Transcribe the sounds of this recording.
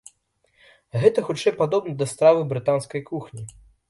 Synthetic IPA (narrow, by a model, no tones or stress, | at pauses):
ɣɛt̪ɐxut͡ʂɛjpad̪ɔbnɐd̪ɐst̪ɾavɨbɾɨt̪anskɐjkuxnʲi